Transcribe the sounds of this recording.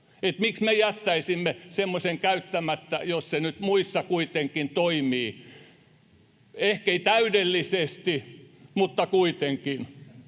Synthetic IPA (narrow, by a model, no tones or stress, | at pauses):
et̪miksmejæt̪ːæisimːesemːosʲeŋkæyt̪ːæmæt̪ːæ̰jossenyt̪muisːɑkuit̪eŋkːint̪oimiː | ehkeit̪æydelːisest̪i | mut̪ːɑkuit̪eŋkin